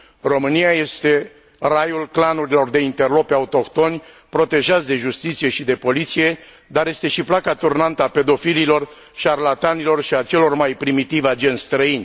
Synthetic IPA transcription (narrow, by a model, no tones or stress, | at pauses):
ro̞mɨnijaje̞st̪e̞ | rajulklanuɾilo̞rd̪e̞int̪e̞rlo̞paut̪o̞kt̪o̞nʲ | pɾo̞t̪e̞ʒat̪sd̪e̞ʒust̪it̪sije̞ʃid̪e̞po̞lit̪sije̞ | d̪arje̞st̪e̞ʃiplakat̪urnant̪əape̞d̪o̞fililo̞r | ʃiarlat̪anilo̞rʃiat͡ʃe̞lo̞rmajpɾimit̪ivad͡ʒe̞nst̪ɾəinʲ